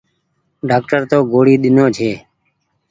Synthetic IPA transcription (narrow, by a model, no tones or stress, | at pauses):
ɖaːk̚ʈəɾt̪oːɡoːɽiːɗ̪ɪnoːt͡ʃʰeː